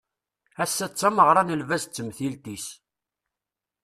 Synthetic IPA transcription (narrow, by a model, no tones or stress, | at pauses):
æsːæt͡sːæməʁɾˤɑnəlvæst͡sːəmθilt̪is